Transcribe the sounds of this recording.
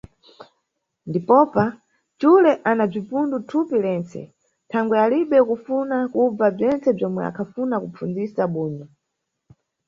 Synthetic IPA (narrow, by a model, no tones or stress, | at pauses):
ndipɔpa | t͡ʃulɛʔanab͡ʐipundutʰupilɛnt͡sɛ̰ | tʰaŋɡwɛaliɓɛkufunakub͡vab͡ʐɛnt͡sɛb͡ʐɔmwɛ̰a̰kʰafunakup͡fund͡zisaɓuːɲɔ